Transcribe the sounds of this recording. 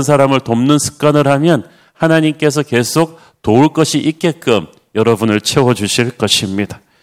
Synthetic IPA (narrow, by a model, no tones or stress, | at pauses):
ns̬ʰaɾamɯɭtomnɯnsʰɯ̥k̚k͈anɯɭhamjʌn | hanaɲimk͈e̞s̬ʰʌke̞sʰok̚ | touɭk͈ʌɕʰiʔik͈e̞k͈ɯm | jʌɾʌbunɯɭt͡ɕʰe̞wʌd͡ʑuɕʰiɭk͈ʌɕʰimɲida